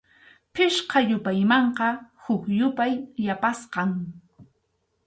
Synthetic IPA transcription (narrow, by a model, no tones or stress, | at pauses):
pɪʃqɑjʊpajmɑɴqɑhʊkjʊpajːapasqɑŋ